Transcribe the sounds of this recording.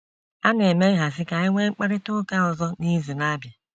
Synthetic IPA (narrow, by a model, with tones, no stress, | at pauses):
a˦ne˨me˦ɣa˨s̬ɪ˦ka˨ɪ˦ŋʷe˦ŋ͡m̩˦k͡pa˦ɾɪ˦tʊ˦ka˦ɔ˨zɔ˦ni˦zu˨na˦bja˨